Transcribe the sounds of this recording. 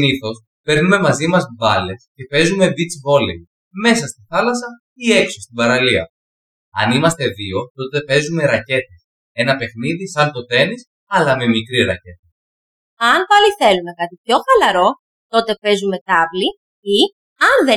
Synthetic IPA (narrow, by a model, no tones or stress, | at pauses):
iniθo̞s | pe̞ɾnume̞mɐzimɐzvɐle̞sce̞pe̞zume̞vit͡svo̞le | me̞sɐst̪iθɐlɐsɐ | ie̞ksost̪ibɐɾɐliɐ̰ | ɐnimɐst̪e̞ðio̞t̪o̞t̪e̞pe̞zume̞ɾɐce̞t̪es | e̞nɐpe̞xniðisɐnt̪o̞t̪e̞nis | ɐlɐme̞mikɾiɾɐce̞t̪e | ɐnpɐliθe̞lume̞kɐt̪ipço̞xɐlɐɾo̞ | t̪o̞t̪e̞pe̞zume̞t̪ɐvli | i | ɐnðe